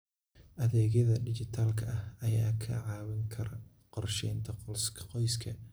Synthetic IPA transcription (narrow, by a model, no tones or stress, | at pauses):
ʔɐðɛːɣjɐðɐɖɪt͡ʃɪt̪ʰaːlkʰɐʔɐhɐjaːkʰɐ̰ʕɑːwɪŋkʰɐɾɐ | qɔrʃɛjnt̪ʰɐsqɔjskʰɐ